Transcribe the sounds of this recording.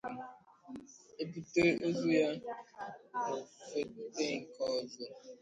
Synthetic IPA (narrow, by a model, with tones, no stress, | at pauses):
e˦pu˨te˦ʔo˦zu˦ja˦ | no˨fe˦te˦ŋ̩˨kɔ˦˨zɔ˦